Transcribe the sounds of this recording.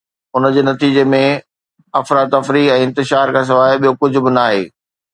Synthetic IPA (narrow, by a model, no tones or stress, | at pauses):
ʊnəd͡ʑeːnɐt̪iːd͡ʑemẽ | ɐfɾaːd̪̚ɐfɾiːɛ̃ːɪ̃nt̪ɪʃaːɾkʰãːs̬ɐʋaːɪɓijokʊd͡ʑʱʊ̆bɪnaːɦḛː